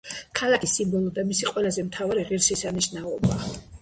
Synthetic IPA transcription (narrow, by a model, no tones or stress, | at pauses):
kʰalˠakʰisimbɔlˠɔd̪amisiqʼwɛlazɛmt̪ʰavaɾiʁiɾʃɛsaniʃnaɔba